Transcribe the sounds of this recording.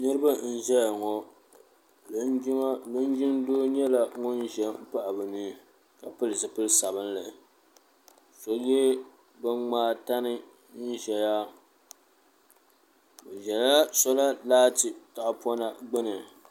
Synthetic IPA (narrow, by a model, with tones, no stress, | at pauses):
nɨ˦ɾɨ˦ba˦n̩˦ʒɛ˦ja˨ŋɔ˨˦ | lɨ˦n˦d͡ʒɪ˦ndoː˦ɲɛ˦la˨ŋɔ˦n˦ʒɛ˨m̩˦pa˦ʔa˨bɨ˨niː˦˨ | ka˨pɨ˦lɨ˨sɨ˨pɨ˦lsa˨βɨ˦nlɨ˨ | sɔ˨jɛ˦ | bɨ˦ŋ͡maː˦ta˦nɨ˦ | n̩˦ʒɛ˨ja˦ | bɨ˨ʒɛ˨la˦a˦sɔ˦la˦laː˦tɨ˨ta˨ʔpɔ˦na˦ɡ͡bɨ˦nɨ˨